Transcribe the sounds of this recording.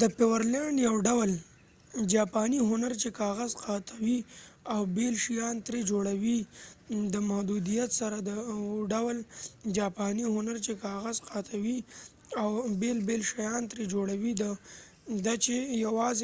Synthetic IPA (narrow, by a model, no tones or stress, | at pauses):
d̪əpɪwəɾlaɳɖjawɖawl | d͡ʒɑpɑniɦʊnaɾt͡ʃekɑɣazqɑt̪ʰawiawbelʃijɑnt̪ɾed͡ʒoɽawi | d̪əmahd̪ud̪ijat̪saɾad̪əɖawld͡ʒɑpɑniɦʊnaɾt͡ʃekɑɣazqɑt̪ʰawi | awbelbelʃajɑnt̪ɾed͡ʒoɽawid̪ə | d̪at͡ʃejawɑz